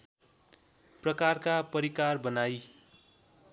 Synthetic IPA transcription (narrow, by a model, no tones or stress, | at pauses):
prʌkarkapʌɾikarbʌnaj